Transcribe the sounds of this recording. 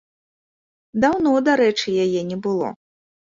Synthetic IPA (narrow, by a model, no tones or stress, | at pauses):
d̪awnɔd̪aɾɛt͡ʂɨjajɛnʲɛbɨlˠɔ̰